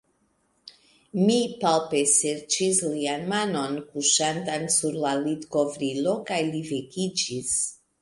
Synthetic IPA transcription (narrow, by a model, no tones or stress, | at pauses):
mipalpeseɾt͡ʃislianmanonkuʃant̪ansuɾlalit̪kovɾilokajlivekid͡ʒis